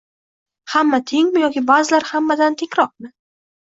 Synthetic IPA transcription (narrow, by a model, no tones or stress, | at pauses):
hamːat̪ʰeŋʲmɪjɒkʲɪbazɪlaɾhamːad̪ant̪ʰekʲɾɒq̚mɪ